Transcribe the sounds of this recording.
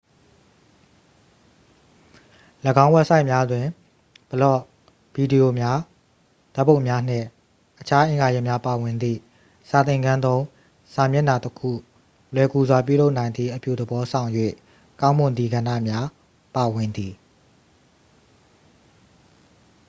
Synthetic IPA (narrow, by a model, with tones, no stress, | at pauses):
ləɡã˦ʊ̃wɛ˦ʔsa˦ɪʔmja˦dwɪ̃˨ | b̥əlɔ̰˦˨ | bi˨di˨jo˨mja˦ | d̥̪ɛ˦pːõ˦˨mja˦n̥ɪ̰̃˦˨ | ʔət͡ɕʰa˦ʔɪ̃˨ŋɡa˨jɛ˦ʔmja˦pa˨wɪ̃˨nd̪ḭ˦˨ | sa˨t̪ɪ̃˨ŋɡã˦nd̪õ˦ʊ̃ | sã˨mjɛ˦ʔna˨təkʰṵ˦˨ | lwɛ˨ku˨zwa˨pjṵ˦˨lo˦ʊʔnã˨ɪ̃nd̪ðḭ˦˨ʔəpju˦˨d̪əbɔ˦sʰã˨ʊ̃jwḛ˦˨ | kã˦ʊ̃mʊ̃˨d̪ði˨ɡã˨ndä̰˦˨mja˦ | pa˨wɪ̃˨nd̪i˨